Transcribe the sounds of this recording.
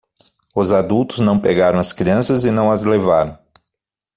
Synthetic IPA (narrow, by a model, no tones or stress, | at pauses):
ʊzad̪uwt̪ʊznɐ̃w̃peɡaɾɐ̃w̃ɐskɾiɐ̃sɐzɪnɐ̃w̃ɐzlevaɾɐ̃w̃